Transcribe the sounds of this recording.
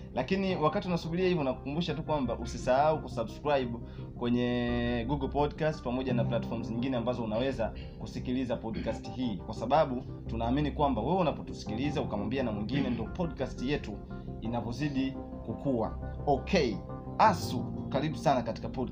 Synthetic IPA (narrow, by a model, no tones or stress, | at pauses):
lakiniwakatiunasuɓiliahivɔnaku̥kumbuʃatukwambaʔusisaaukusabskɾaiɓu | kwɛɲɛɡuɡlpɔdkastpamɔʄanaplatfɔɾm̩zɲiŋɡinɛambazɔunawɛza | kusikilizapɔdkastiɦiːkwasaɓaɓu | tunaːminikwambawɛwɛunapɔtu̥si̥kilizaukamwambianamwiŋɡinɛndɔpɔdkastijɛtu | inavɔziɗi | kukuwa̰ɔkʰɛi | asukaɾiɓusanakati̥kapɔd